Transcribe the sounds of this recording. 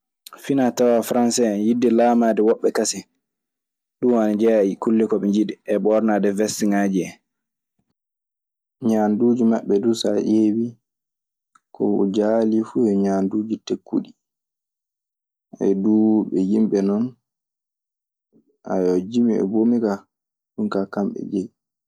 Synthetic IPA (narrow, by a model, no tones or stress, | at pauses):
finatawafɾansɛjidːɛlaːmadɛwɔɓːɛkasɛ | ɗumanad͡ʒɛkulːikɔɓɛɲd͡ʒidɛɛɓɔɾnadɛvɛsiŋad͡ʒiɛ | ɲaːnduːd͡ʒimaɓːɛdusa̰ʔewi | kʰɔ̰d͡ʒalifujɛɲaːnduːd͡ʒitekːṵɗi | ɛ̰duɓɛjimɓɛnɔn | ʔa̰jɔd͡ʒimiɛ̰bomika | ɗunkakamɓɛ̰d͡ʒɛj